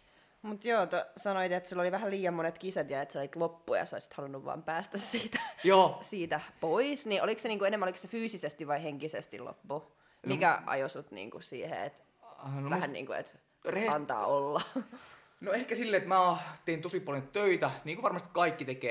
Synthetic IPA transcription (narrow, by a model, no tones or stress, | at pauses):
mut̪joːt̪osɑnoit̪et̪silːoliʋæhælliːjɑmːonet̪kisæt̪jɑet̪seoiit̪lopːujɑ̰so̰isi̥t̪hɑlunːuʋʋɑ̰ːmpæːst̪æssiːt̪æ̥joːsiːt̪æpoisniʔolikseniːŋkuenemæolikssefyːsisest̪iʋʋɑiheŋkisest̪ḭlo̰pːu | mikæ̰ʔɑ̰josut̪nḭːŋkusḭːhḛḛt̪ | nʋæhænnḭːŋkuḛt̪ | reɑnt̪ɑ̰ːolːɑ | noehkæsilːeet̪mæːt̪eint̪osipɑljnt̪t̪øit̪æniːŋkuʋɑrmɑst̪i̥kɑikːit̪ekeː